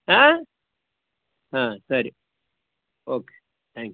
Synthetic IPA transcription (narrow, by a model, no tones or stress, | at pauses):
ɦa | ɦãsɐɾi | oːke̥ | t̪ʰæ̃ŋk